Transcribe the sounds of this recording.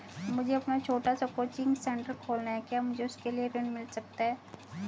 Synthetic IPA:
mʊd͡ʒʱeɐpnat͡ʃʰoːʈasakoːt͡ʃɪ̃ŋɡsɛ̃ɳʈəɾkʰoːlnaɦɛkjaːmʊd͡ʒʱeʊskelieɾɪ̃ɳmɪlsɐk̚t̪aɦɛː

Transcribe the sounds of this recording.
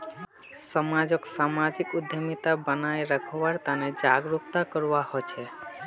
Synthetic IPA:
ʃɔmad͡ʑokʃamad͡ʑikud̪ʱːemit̪abanaeɾakʰɔwaɾt̪aned͡ʑaɡɾuk̚t̪akɔɾwahot͡ɕʰe

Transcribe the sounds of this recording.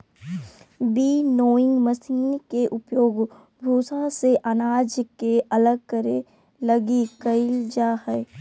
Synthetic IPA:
biːnoːɪ̃ŋɡməsiːnkeʔʊpjoːɡ | bʱuːsãseʔanaːd͡ʒkeʔɐləɡ̚kəɾe | ləɡikəɪld͡ʒaːhɛ

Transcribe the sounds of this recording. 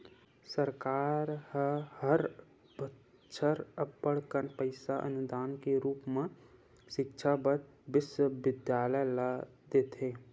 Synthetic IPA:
səɾkaːɾhəhəɾ | bə | ʃʰəɾəpbəɽkənpəɪsaʔə̰nʊd̪aːnkeɾuːpmẽ | ʃɪkʃʰabəɾ | ʋɪswəʋɪd̪jaːləjla | d̪eːt̪ɦeː

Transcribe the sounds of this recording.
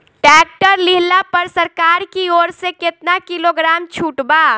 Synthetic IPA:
ʈɛːk̚ʈəɾliɦlapəɾsəɾkaːɾkioːɾsekɪt̪nakiloɡɾaːmt͡ʃʰuːʈba

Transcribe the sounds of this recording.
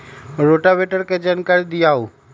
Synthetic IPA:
ɾoʈabeʈəɾked͡ʒankaɾid̪ɪjaːuː

